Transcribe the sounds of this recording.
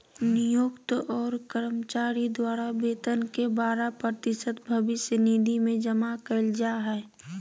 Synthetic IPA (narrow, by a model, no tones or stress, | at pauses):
nɪjokt̪ɔːɾkəɾmt͡ʃaːɾid̪waːɾabeːt̪ənkebaːɾapɾət̪ɪsət̪bʱəʋɪʃjənid̪ʱimẽd͡ʒəmakəɪld͡ʒaɦɛː